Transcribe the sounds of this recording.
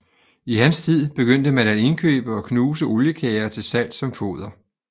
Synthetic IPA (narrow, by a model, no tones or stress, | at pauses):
iɦænst͡sʰið̰ˠb̥e̝ɡ̥øn̰d̥əmænæde̝nkʰø̰ːb̥əɒ̽kʰnuːsəʔo̝ljəkʰɛːɐt͡sʰe̝lsæl̰d̥sɒ̽mfo̝̰ːð̞̰ˠɐ